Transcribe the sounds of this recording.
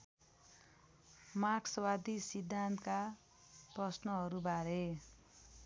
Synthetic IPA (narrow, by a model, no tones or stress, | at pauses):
maksʌwad̪isid̪ʱːant̪ka | prʌsnʌɦʌɾubʱaɾe